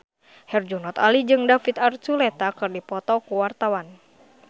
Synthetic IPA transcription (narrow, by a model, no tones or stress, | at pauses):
hɛrd͡ʒunɔt̪alid͡ʒɨŋdafit̪art͡ʃulɛt̪akɨrdipɔt̪ɔkuwart̪awan